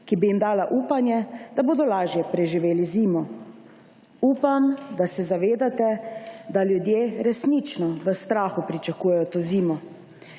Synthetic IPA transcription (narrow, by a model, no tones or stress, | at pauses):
kibijimd̪aːlaʔuːpanjɛd̪aboːd̪ɔlaːʒjɛpɾɛʒiʋeːliziːmɔ | uːpamd̪asɛzaʋeːd̪at̪ɛd̪aljud̪jeːɾɛsnit͡ʃnɔʋəst̪ɾaːxupɾit͡ʃakuːjɛjɔt̪oːziːmɔ